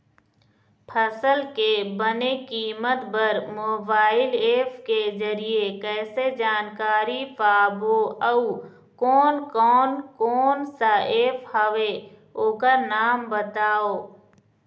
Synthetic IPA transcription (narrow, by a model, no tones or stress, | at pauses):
pʰəsəlkebənekiːmət̪bəɾmoːbaːɪleːpʰkezəɾiekɛːsed͡ʒaːnkaːɾipaːboəu | kɔːnkɔːnkɔːnsaeːpʰhəʋe | oːkəɾnaːmbət̪aːoː